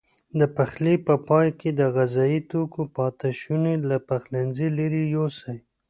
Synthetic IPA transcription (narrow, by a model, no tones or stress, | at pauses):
d̪əpaxlepəpɑjked̪əɣazɑjit̪okopɑt̪aʃunelapaxlanzilaɾijosaj